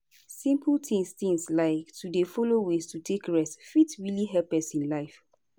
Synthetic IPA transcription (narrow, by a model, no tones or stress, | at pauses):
sĩmplt̪ʰĩŋstĩŋslaɪktʰudefɔlowestutʰekɹɛstfitɹiliɦɛpɛsĩnlaɪf